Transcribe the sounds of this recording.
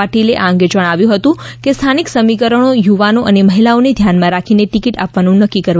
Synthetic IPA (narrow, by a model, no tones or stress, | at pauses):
aʈileʔaə̃ŋɡed͡ʒəɽ̃aʋjũɦət̪ũkest̪ʰaniksəmikəɾəɳ̃ojuʋanoʔəneməɦilaoned̪ʱjanmãɾakʰineʈikiʈa̰pʋanũnəkːikəɾʋ